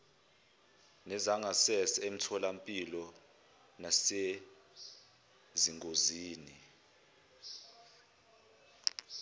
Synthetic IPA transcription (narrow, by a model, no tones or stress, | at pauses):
nɛzaŋɡʱasɛsem̩tʰɔlampʼilɔ | nase | ziŋʱoziːni